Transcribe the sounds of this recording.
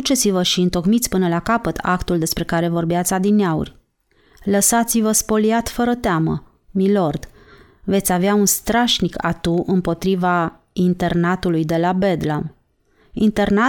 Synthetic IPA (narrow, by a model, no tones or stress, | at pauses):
ut͡ʃe̞t̪sivəʃiɨnt̪o̞kmit̪sʲpɨnəlakapət̪ʰa̰kt̪uld̪e̞spɾe̞kaɾe̞vo̞rbeat̪sʲad̪ineaṵrʲ | ləsat̪sivəspo̞liat̪fəɾət̪eamə̰ | milo̞rd̪ | ve̞t̪sʲaveaunst̪ɾaʃnika̰t̪uʔɨmpo̞t̪ɾiva | int̪e̞rnat̪ulujd̪e̞labe̞d̪lam | ḭnt̪e̞rna